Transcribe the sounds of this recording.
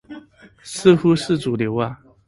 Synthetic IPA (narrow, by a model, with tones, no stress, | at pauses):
s̩˥˧xu˥sɹ̩˥˩t͡su˨˩ljo˧˦ʊa˥˧˩